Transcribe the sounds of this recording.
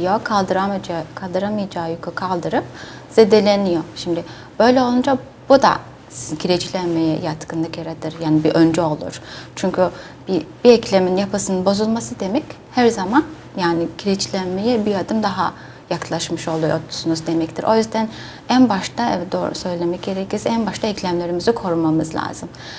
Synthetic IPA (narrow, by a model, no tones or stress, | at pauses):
jokʰalˠd̪ɯɾamkʰalˠd̪ɯɾamɯjad͡ʒaːjokʰukʰalˠd̪ɯɾɯp̚z̥ed̪e̞lʲenijoʃimd̪ɪ | b̥ø̞jlʲɛo̞lˠund͡ʒa | b̥ud̪a̰ | cʰiɾed͡ʒilʲænmejɛ̰jat̪kɯnˠɯkjaɾat̪ʰɯɾjaːnibiʔø̞nd͡ʒɛo̞lˠṵɾ̥t͡ʃʰyɲcʰy | b̥ib̥iɛclʲeminjapʰasɯnɯnbo̞zulˠmasɯd̪e̞mɛc | hæɾzaman | jaːniɟʰiɾed͡ʒʰilʲænmejɛbijad̪ɯmd̪aɦa | jaklˠaʃmɯʃo̞lˠuɾot̪ʰu̥sunuzd̪e̞mɛct̪ʰiɾʔo̞jyzd̪æn | ænbaʃt̪ʰaɛd̪oːɾ̰sø̞jlʲe̞mɛc̚ɟe̞ɾecʰiɾsænbaʃt̪ʰaɛclʲæmlʲe̞ɾimizikʰo̞ɾumamɯzlʲˠa̰ːzɯm